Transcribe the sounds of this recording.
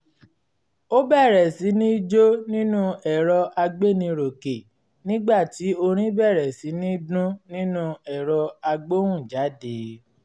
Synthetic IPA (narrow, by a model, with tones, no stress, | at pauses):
o˦bɛ˦˨ɾɛ˨si˨˦nĩ˦d͡ʒo˦nĩ˦nũ˦ɛ˨ɾɔ˧ʔa˧ɡ͡be˦˨nĩ˧ɾo˨ke˨ | nĩ˦ɡ͡ba˦˨ti˨˦o˧ɾ̃ĩ˦bɛ˦˨ɾɛ˨si˨˦nĩ˦dũ˦nĩ˦nũ˦ɛ˨ɾɔ˧a˧ɡ͡bo˦w̃ũ˦˨d͡ʒa˨˦de˨˦